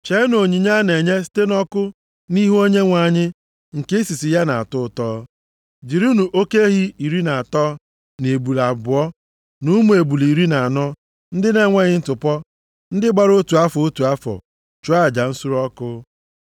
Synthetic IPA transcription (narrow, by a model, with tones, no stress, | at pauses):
t͡ʃe˨˦no˨ɲi˨ɲa˦ne˨ɲe˦si̥˦te˦nɔ˦kʊ˦ | ni˦ɦo˦ɲe˦ŋʷa˨ɲɪ˦ | ŋ̩˨ke˦si˨si˨ja˦na˨a˨tʊ˦˨tɔː˦ | d͡ʒi˨ɾu˦nu˨ʔo˦ke˦ɦi˦i˨ɾi˦na˨a˨tɔː˦ | ne˨bu˨la˨bʊ˨ɔ˦ | nu˦mu˦e˨bu˨li˨ɾi˦na˨a˨nɔ˦ | n̩˦dɪ˦ne˦ŋʷa˦ɲɪ˦n̩˦tʊ˨pɔ˦ | n̩˦dɪ˦ɡ͡ba˦ɾo˦tu˨a˦fɔ˨o˦tu˨a˦fɔ̰˨ | t͡ʃu˦a˦˨d͡ʒa˨n̩˦su˦ɾɔ˦kʊ˦